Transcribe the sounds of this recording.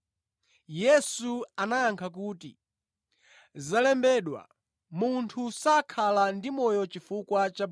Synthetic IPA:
jɛsuanajaŋkʰak̬uːtḭ | zalɛmbɛɗwa̰ | muntʰusakʰalandimɔjɔt͡ʃifukwat͡ʃa

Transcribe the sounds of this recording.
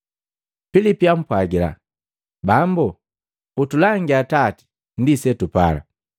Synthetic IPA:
pilipiam̩pwaɡila̰ | bambu | utulaŋɡiatati̥ | ndisɛtupa̰la̰

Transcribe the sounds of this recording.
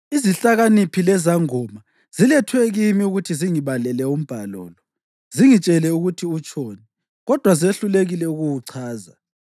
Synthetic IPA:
iziɬaɣanipʰilɛzaŋɔma | zilɛtʰwɛɣimiuɣutʰiziŋiβalɛlɛum̩b̥ʱalɔ̰ːlɔ | ziŋit͡ʃʼɛlɛuɣutʰiut͡ʃʼʰɔːnɛ | ɣɔd̥ʱwazeɬuleɣilɛuɣuwuǀʰaːza̰

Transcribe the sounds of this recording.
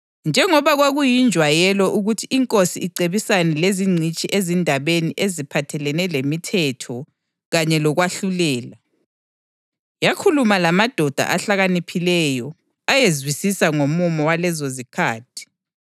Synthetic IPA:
nd͡ʒʱɛŋɔβaɣwaɣujind͡ʒʱwajɛlɔʔuɣutʰiiŋkʼosiiǀeβisanɛleziŋ͡ǀʱit͡ʃʼiʔezindʱaβeniʔezipʰatʰɛlɛnɛlemitʰɛtʰɔ | ɣaɲɛlɔɣwaɬulɛːla | jakʰulumalamad̥ʱɔd̥ʱa̰ʔaɬaɣanipʰilɛjɔ | ajezwisisaŋomumɔwalɛzozikʰaːtʰi̥

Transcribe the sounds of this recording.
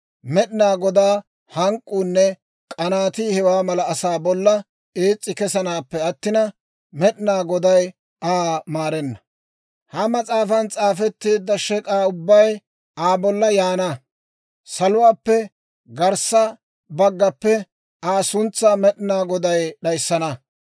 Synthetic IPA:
mɛɗɪnaːɡɔd̪aː | hɐŋkʼːuːnːɛ | kʼɐnaːt̪iːhɛwaːmɐlɐːsaːbɔlːɐ | eːt͡sʼːɪkɛsɐnaːpːɛɐt̪ːɪnɐ | mɛɗɪnaːɡɔd̪ɐj | aːmaːɾɛnːɐ | hɐmɐt͡sʼaːfɐnt͡sʼaːfɛt̪ːeːd̪ːɐʃɛkʼaːʊbːɐj | aːbɔlːɐjaːnɐ | sɐlʊwaːpːɛ | ɡɐɾsɐ | bɐɡːɐpːɛ | aːsʊnt͡sːaːmɛɗɪnaːɡɔd̪ɐjɗɐjsːɐnɐ

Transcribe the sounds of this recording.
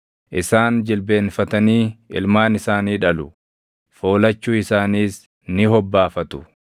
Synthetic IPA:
ʔɪsaːnd͡ʒɪlbeːnfɐt̪ɐniːɪ̰lmaːnɪsaːniːᶑɐlʊ | fo̞ːlɐt͡ʃːuːɪsaːniːs | nɪɦɔbːaːfɐt̪ʊ̥

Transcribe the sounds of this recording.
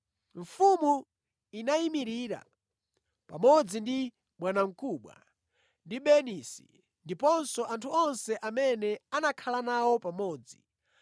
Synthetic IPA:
ɱ̩fumu | inaimiɾiɾa̰ | pamɔd͡zindi | ɓwanaŋ̩kuɓwa̰ | ndiɓɛnisḭ | ndipɔnsɔʔantʰuɔnsɛʔamɛnɛanakʰalanawɔpamɔːd͡zḭ

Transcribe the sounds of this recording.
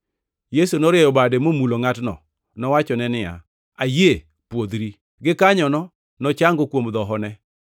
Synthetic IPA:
jesunoɾɪejɔbademomuloŋatnɔ̰ | nɔwat͡ʃɔnɛnɪja̰ | aje | pwod̪ɾi | ɡɪkaɲɔnɔ | nɔt͡ʃaŋɡokwomd̪ɔɦɔnɛ

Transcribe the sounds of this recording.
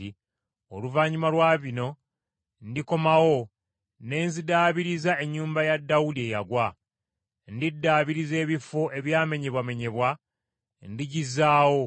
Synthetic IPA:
i | oluvaːɲimalwaːβino̞ | ndiko̞mawo̞ | ne̞ːnzidaːβiɾizae̞ɲːuːmbajadːawudie̞jaɡwa | ndidːaːβiɾize̞ːβifo̞ʔe̞βjaːme̞ɲe̞βwame̞ɲe̞βwa | ndiɟizːaːwo̞

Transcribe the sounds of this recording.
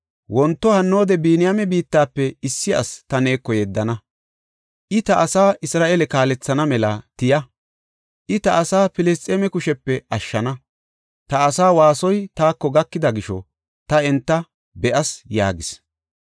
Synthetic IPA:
wɔnt̪ːɔhɐnːo̞ːd̪ɛbiːnɪjamɛbiːt̪ːaːpːɛɪsːɪɐ̰st̪ɐne̞ːkːɔjɛd̪ːɐnɐ | ʔɪt̪ɐʔːsaːʔɪsɾaːʔelɛkaːlɛt͡sːɐnɐmɛlɐt̪ɪjɐ | ʔɪt̪ɐʔːsaːpɪlɛs̬t̪ʼeːmɛkʊʃɛpːɛʔɐʃːɐnɐ | t̪ɐːsaːwaːsɔjt̪aːkːɔɡɐkːɪd̪ɐɡɪʃɔ̰ | t̪ɐɛnt̪ːɐ | bɛʔɐsja̰ːɡɪs

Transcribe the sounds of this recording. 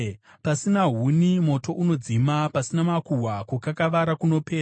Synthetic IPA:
pasinaɦunimo̞to̞ʔuno̞d͡zimapasinamakuɦwakwokakaʋaɾakuno̞pe̞ː

